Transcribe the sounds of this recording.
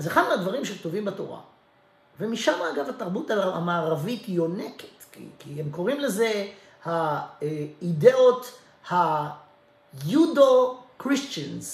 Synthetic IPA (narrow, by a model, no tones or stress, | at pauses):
azeχad̪mead̪vaʁimʃektovimbato̞̰ʁa̰ | vemiʃamaːɡavataʁbutaamaːʁavitjo̞neketkḭkihemko̞ʁimle̞ze̞ | ha | ide̞ot | ha | judokʁist͡ʃanz